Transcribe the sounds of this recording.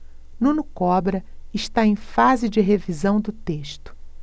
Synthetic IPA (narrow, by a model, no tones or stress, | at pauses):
nũnʊkɔbɾɐɪʃt̪aẽj̃fazɪd͡ʒɪɦevizɐ̃w̃d̪ʊt̪eʃt̪ʊ̥